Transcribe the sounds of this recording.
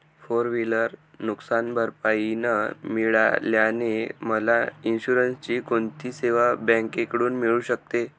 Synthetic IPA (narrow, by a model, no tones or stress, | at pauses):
foɾʋiləɾ | nuksanbʱəɾpainəmiɭa̰ljaneməlainɕuɾənst͡ɕiːkoɳt̪ʰiːseʋabɛ̃ŋkekɽuːnmiɭuːɕək̚t̪e